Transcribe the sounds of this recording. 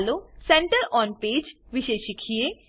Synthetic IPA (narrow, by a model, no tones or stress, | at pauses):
losɛ̃ɳʈəɾɔːnpeːd͡ʒʋɪʃeːʃɪkʰie